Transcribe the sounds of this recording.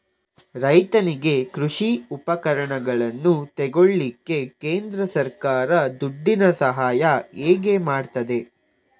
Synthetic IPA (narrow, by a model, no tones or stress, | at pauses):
ɾɐjt̪ɐniɡe̞kɾuʂiupɐkɐɾɐɳɐɡɐɭɐnːut̪ɛɡoɭːikːe̞keːnd̪ɾɐsɐɾkaːɾɐd̪uɖːinɐsɐɦaːjɐeːɡe̞maːɖt̪ɐd̪e̞